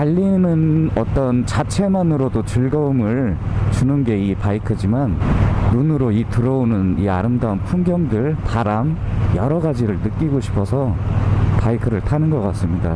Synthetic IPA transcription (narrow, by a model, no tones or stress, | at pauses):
aʎːinɯnʌt͈ʌnt͡ɕat͡ɕʰe̞manɯɾodot͡ɕɯɭɡʌumɯɭ | t͡ɕunɯnɡe̞ipaikʰɯd͡ʑimanːunɯɾoitɯɾʌonɯnia̰ɾɯmdaunpʰunɡjʌŋdɯɭpʰaɾam | jʌɾʌɡad͡ʑiɾɯɭnɯk͈iɡoɕʰi̥pʰʌsʰʌ | paikʰɯɾɯɭtʰanɯnɡʌk͈as͈ɯmɲida̰